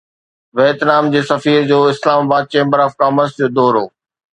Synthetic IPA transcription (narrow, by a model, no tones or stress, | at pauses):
ʋɛːt̪naːmd͡ʑeːsɐfiːɾd͡ʑoːɪslaːmaːbaːd̪̚t͡ɕẽːmbəɾɔːfkaːməɾsd͡ʑoːd̪ɔːɾoː